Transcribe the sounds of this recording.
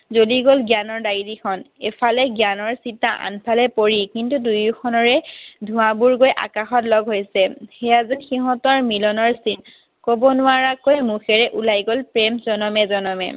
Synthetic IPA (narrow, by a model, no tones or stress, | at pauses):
zoliɡolɡjanɔɹdaɹidikʰɔnepʰalɛɡjanɔɹsitːaʔa̰npʰalɛpoɹikintudujukʰɔnɔɹɛdʱʊ̃abuɹɡojʔa̰kaxɔtlɔɡɦojsɛxɛjazinxiɦɔtɔɹmilɔnɔɹsin | kobɔnʊaɹakojmuxɛɹɛʔulajɡolpɹɛmzɔnɔmɛzɔnɔmɛ̰